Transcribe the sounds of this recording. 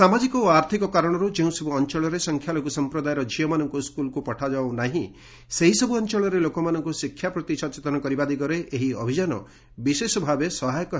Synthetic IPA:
samad͡ʒikɔoaɾt̪ʰikɔkaɾɔɽ̃ɔɾud͡ʒeũsebuɔnt͡ʃɔɭɔɾesɔŋkʰjalɔkusɔmpɾɔd̪ajeɾɔd͡ʒiɔmanɔŋkuskulkupɔʈʰad͡ʒaonaɦĩ | seɦisɔbuɔnt͡ʃɔɭɔɾelokɔmanɔŋkusikʰːjapɾɔt̪isɔt͡ʃet̪ɔnɔkɔɾibad̪iɡɔɾeʔeɦiɔ̰bʱid͡ʒanɔ̰ | bisesɔbʱabesɔɦajɔkɔ

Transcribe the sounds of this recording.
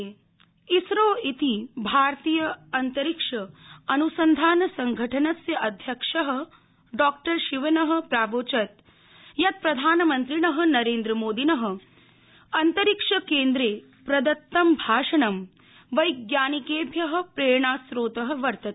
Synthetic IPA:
isɾoːit̪ibʱaːɾt̪iːjɐɐnt̪ɐɾikʂɐɐnusɐnd̪ʱaːnɐsɐŋɡʱɐʈʰɐnɐsjɐʔɐd̪ʱjɐkʂɐɦɐ̆ | ɖɔːk̚ʈɐɾʃiʋɐnɐɦɐ̆pɾaːʋoːt͡ʃɐt̪ | jɐt̪̚pɾɐd̪ʱaːnɐmɐnt̪ɾinɐɦɐ̆nɐɾeːnd̪ɾɐmoːd̪inɐɦɐ̆ | ɐnt̪ɐɾikʂɐkeːnd̪ɾeː | pɾɐd̪ɐt̪ːɐmbʱaːʂɐɳɐm | ʋɐjɡjaːnikeːbʱjɐɦɐ̆pɾeːɳaːsɾoːt̪ɐɦɐ̆ʋɐɾt̪ɐt̪

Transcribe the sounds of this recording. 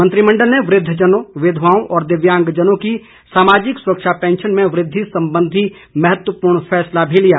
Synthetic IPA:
mə̃nt̪ɾimɐ̃ɳɖəlneʋɾɪd̪ʱːd͡ʒənõʋɪd̪ʱʋaːõʔɔːɾd̪ɪʋjãːŋɡd͡ʒənõki | saːmaːd͡ʒɪksʊɾəkʃapɛ̃ːnʃənmẽʋɾɪd̪ʱːisɐ̃mbə̃nd̪ʱi | mɐɦət̪wəpuːɾɳfɛːslabʱilijaː

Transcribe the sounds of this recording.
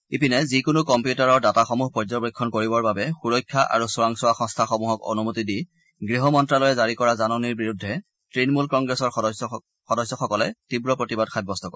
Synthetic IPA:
ipinɛzikʊnukɔmpjutaɹɔɹdataxɔmuɦpɔɹzɔbɹikʰːɔnkoɹibɔɹbabɛxuɹɔjkʰːaʔa̰ɹusɔɹaŋsʊaxɔ̃ŋstʰaxɔmuɦɔko̰numutidi | ɡɹiɦɔmɔntɹalɔjɛzaɹikɔɹazanɔniɹbiɹudʱːɛ | tɹinmulkɔŋɡɹɛsɔɹ | xɔdɔsɔxɔkɔlɛtibɹɔpɹotibad̚kʰajb̚bɔstɔkɔ

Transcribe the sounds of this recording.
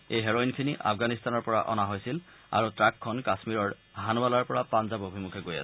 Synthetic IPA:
ejɦɛɹoinkʰiniʔa̰pʰɡanist̪anɔɹpɔɹa̰ʔɔ̰naɦojsil | a̰ɹutɹakʰːɔnkasmiɹɔɹ | ɦanbalaɹpɔɹapanzabobʱimukʰɛɡoja̰sɛ

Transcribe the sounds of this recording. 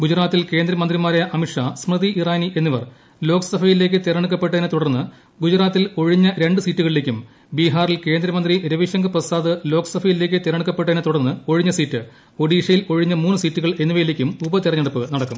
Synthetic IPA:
ɡud͡ʑɾaːt̪ːilke̞ːnd̪ɾɐmɐnd̪rimaːɾeʔɐmiʈʂasmrɨðiʔiraːniʔe̞nːiʋɐr | lo̞ːksɐbʰʱɐjile̞ːk̬ʲːɨt̪eɾɐɳuk̬ːɐpːe̞ʈːɐðɐnet̪uɽɐrnːɨ | ɡud͡ʑɾaːt̪ːilo̞ɻiɲːɐɾe̞ɳɖɨsiːtːuɣɐɭile̞kʲːum | biɦaːrilke̞ːnd̪ɾɐmɐnd̪riɾɐʋiɕɐŋɡɐprɐsaːðɨlo̞ːkɐ̥sɐbʰɐjile̞ːk̬ʲːɨt̪eɾɐɳukːɐpːeʈːɐðɐnet̪uɽɐrnːɨo̞ɻiɲːɐsiːtːɨ | o̞ɽiːʂɐjilo̞ɻiɲːɐmuːnːɨsiːtːuɣɐɭe̞nːiʋɐjileːkʲːumubɐt̪irɐɲːɐɽɐpːɨnɐɽɐkːum

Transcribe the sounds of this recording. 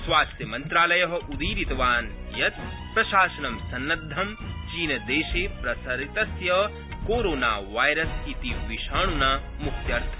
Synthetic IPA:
sʋaːst̪jɐmɐnt̪ɾaːlɐjɐɦɐ̆ʔud̪iːɾit̪ɐʋaːnjɐt̪̚ | pɾɐʃaːsɐnɐmsɐnːɐd̪ʱːɐmt͡ʃiːnɐd̪eːʃeːpɾɐsɐɾit̪ɐsjɐ | koːɾoːna̰ːʋaːjɾɐsit̪iʋiʃaːɳunaː | muk̪ʰjɐɾt̪ʰɐ̥

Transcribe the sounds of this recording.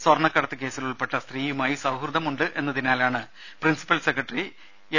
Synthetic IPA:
swɐrɳɐkːɐɽɐt̪ːɨk̬e̞ːsiluɭpe̞ʈːɐst̪riːjumaːjisɐwɦrɨd̪ɐmuɳɖɨʔe̞nːɐðinaːlaːɳɨ | prinsi̥pːɐlsekrɐʈːri | e

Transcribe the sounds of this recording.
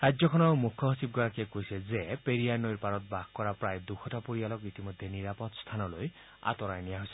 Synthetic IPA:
ɾad͡ʒjɔkʰɔnɔmukʰːɔɦɔsib̚ɡɔɾakiekojsɛzepeɾianojɾpaɾɔt̪̚baɡkːɔɾapɾajd̪ukʰɔtapuɾijalɔkit̪imɔjd̪ʱːjeniɾapɔt̪st̪ʰanɔloj | a̰t̪ɔɾajnijaɦojsɛ

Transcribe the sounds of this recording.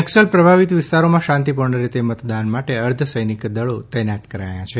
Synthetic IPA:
ɛksəlpɾəbʱaʋit̪ʋɪst̪aɾomãʃãnt̪ipuɾɳəɾet̪emət̪d̪anmaʈeəɾd̪ʱʰəsəjnikd̪əɭot̪ɛnat̪kəɾa̰jãt͡ʃʰe

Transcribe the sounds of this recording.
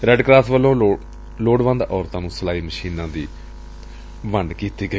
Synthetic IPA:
ɾɛːɖkɾaːt̪ʋəlːõː | loːɖʋə̃nd̪ɔːɾt̪ãːnũːsəlaːiːməʃiːnãːd̪iː | ʋəɳɖkiːt̪iːɡəi

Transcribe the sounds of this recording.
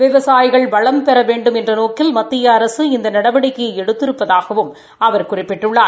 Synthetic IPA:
ʋɪʋɐsaːjɪɣɐɭbɐɭɐmpɛɾɐʋeːɳɖɯmɛndrɐnoːkɪlmɐt̪ːɪjɐːɾɐsɯɪnd̪ɐnɐɽɐbɐɽɪkːɯɛɽɯt̪ːɪɾɯpːɐðaːɣɐʋɯm | ɐʋɐɾkʊrɪpːɪʈːɯɭːaː

